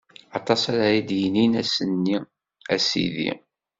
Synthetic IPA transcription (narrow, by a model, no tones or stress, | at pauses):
ɑt̪ˤɑsæɾajid̪jəninæsənːi | æsḭðḭ